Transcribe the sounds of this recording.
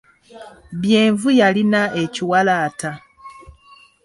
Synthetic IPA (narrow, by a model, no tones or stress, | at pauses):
βjeːɱvujalinaʔe̞ciwalaːta